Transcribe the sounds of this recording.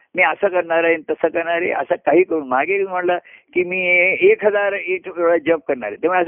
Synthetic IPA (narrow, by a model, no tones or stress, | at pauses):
miːəsəːkəɾɳaɾaɦenit̪əsəkəɾɳaɾḛʔə̰səkaɦiːkəɾuːnmaɡem̤əɽlakiːmiːekʰɦəd͡zaɾeʈʰeɭəd͡ʑəp̚kəɾɳa̰ɾet̪jam̤uɭeəs